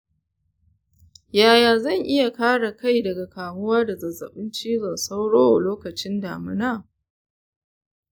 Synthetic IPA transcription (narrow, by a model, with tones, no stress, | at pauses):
jaː˦˨jaː˨zɐ˦˨ŋʔɪ˦ja˨kaː˦ɽa˨ka˦˨jdɐ˨ɡa˨kaː˨mʊ˦waː˦da˨zɐ˨zːɐ̰˨ɓɪ˦nt͡ʃiː˦zɐ˨sa˦wɽoː˦a˨loː˦kɐ˨t͡ʃɪ˦nda̰ː˨mɪ˦naː˦˨